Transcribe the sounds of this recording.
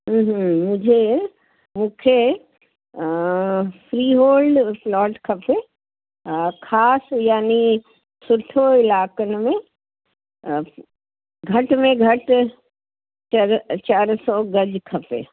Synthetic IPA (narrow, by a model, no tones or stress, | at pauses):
ɦ̩ɦmʊ̃d͡ʑʱe | mũːkʰe | fɾiːɦoːlɖplɔːʈkʰɐpe | kʰaːsjaːni | sʊʈʰːoɪlaːkənɪ̆mẽ | ɡʱɐʈmẽɡʱɐʈ | t͡ʃɐɾt͡ʃaːɾsɔɡɐd͡ʑkʰɐpḛː